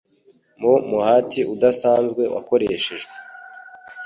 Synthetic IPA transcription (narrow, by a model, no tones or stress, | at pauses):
momuhaːtʰiʔudasaːnzɡwe̞wa̰ko̞ɾeeːʃe̞ʒɡwee